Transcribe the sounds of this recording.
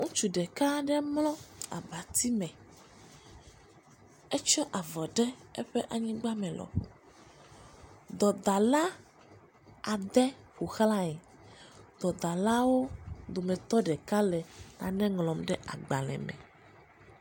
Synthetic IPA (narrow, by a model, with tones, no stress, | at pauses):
ŋũ˦t͡ʃu˨ɖɛ˨ka˦ɖɛ˦mlɔ̃˦a̰˨ba˨t̪i˦mɛ̃˨ | ɛ˦t͡ʃɔ˦ʔa˨vɔ˨ɖɛ˦ɛ˦ɸɛ˦ʔa˨ɲĩ˦ɡ͡ba˦mɛ̃˨lɔ̰˨ɸṵ˨ | d̪ɔ˨d̪a˨la˦ | a˨d̪ɛ˦ɸu˨xla˦ɛ˨ | d̪ɔ˨d̪a˨la˦wo˦d̪o˨mɛ̃˨t̪ɔ˦ɖɛ˨ka˦lɛ˨nã̰˨nɛ̃˦ŋlɔ̃˨mɖɛ˦ʔa̰˨ɡ͡ba˨lɛ̰˨mɛ̰̃˨